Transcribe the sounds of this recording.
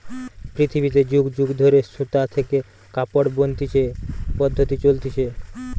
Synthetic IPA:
pɾit̪ʰibit̪ed͡ʑuɡd͡ʑuɡd̪ʱoɾesut̪at̪ʰeke | kapoɽbont̪it͡ɕʰepɔd̪ʱːot̪it͡ɕolt̪it͡ɕʰe

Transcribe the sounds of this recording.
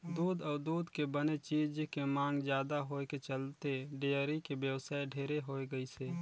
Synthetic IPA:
d̪uːd̪ɔːɾd̪uːd̪kebənet͡ʃiːd͡ʒkemãːŋɡd͡ʒjaːd̪aɦoːket͡ʃəlt̪eɖeəɾikebjəwsaːeɖʱeːɾeɦoːeɡəiseː

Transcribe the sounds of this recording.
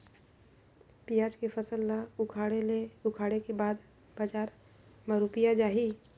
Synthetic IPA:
pijaːd͡ʒkefʰəsəlːaʊkʰaːɽeleʊkʰaːɽekebaːd̪ | b̥aːd͡ʒaːɾ | məɾupijad͡ʒaːɦiː

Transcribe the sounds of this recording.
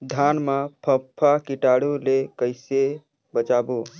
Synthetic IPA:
d̪ʱanmapʰəpʰːakiʈaɽulekəɪse | bət͡ʃabu

